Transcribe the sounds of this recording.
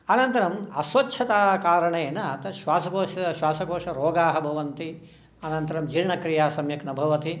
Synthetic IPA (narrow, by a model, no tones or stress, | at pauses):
ɐnɐnt̪ɐɾɐmɐsʋɐtːʃʰɐt̪aːkaːɾɐɳeːnɐt̪ɐʃʋaːsɐkoːʃɐʃʋaːsɐkoːʂɐɾoːɡaːɦɐbʱɐʋɐnt̪i | ɐnɐnt̪ɐɾɐmd͡ʒiɾɳɐkɾijaːsɐmjɐknɐbʱɐʋɐt̪i